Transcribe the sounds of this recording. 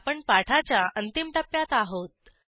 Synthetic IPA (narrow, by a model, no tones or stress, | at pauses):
pəɳpaʈʰat͡ɕjaʔənt̪imʈəpːjat̪aɦot̪̚